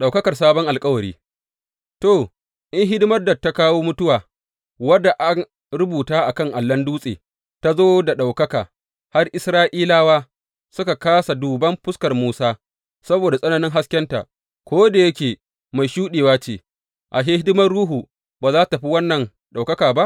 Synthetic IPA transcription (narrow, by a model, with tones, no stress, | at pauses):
ɗa˨wkɐ˦kɐ˨rs̬aː˦bɔ˦ŋʔa˨lkʼɐ˦wɐ˨ɾḭː˦ | to˨ | ʔɪ˦ŋɦɪ˦dɪ˦mɐ˦rda˨tːa˦kaː˦woː˦mʊ˦tʊ˦waː˨ | wɐ˦dːa˨ʔa˦ŋ | ɾʊ˦buː˨taː˦ʔa˨kɐ˦ŋʔa˨lːɐ˦nduː˦sʼḛː˨ | ta˦zoː˦da˨ɗa˨wkɐ˦kaː˨ | ha˦rʔɪ˦sɾaː˦ʔiː˦laː˦waː˦ | sʊ˦ka˨kaː˦sa˨duː˨bɐ˦mɸʊ˦skɐ˨rmuː˦saː˦ | sɐ˦boː˨da˨sʼɐ˦nɐ˦nɪ˦ŋɦa˦skʲɛ˦nta̰˨ʔ | kʷoː˦da˨jɐ˦kʲeː˨ | ma˨jʃuː˦ɗeː˨waː˦t͡ʃeː˨ | ʔa˨ʃeː˦ɦɪ˦dɪ˦mɐ˦rɽuː˦ɦu˨ | baː˨zaː˦ta˨ɸi˦wɐ˦nːɐ˨n | ɗa˨wkɐ˦kaː˨ba˦ʔ